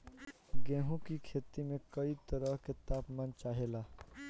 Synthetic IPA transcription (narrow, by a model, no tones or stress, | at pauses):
ɡẽɦũkikʰet̪imẽkəit̪əɾəɦket̪apmant͡ʃaɦela